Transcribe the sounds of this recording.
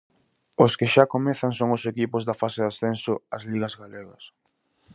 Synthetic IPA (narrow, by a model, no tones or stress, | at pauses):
oskeʃakomeθaŋsoŋosekipozðɐfaseðasθensoazliɣɐzɣaleɣɐs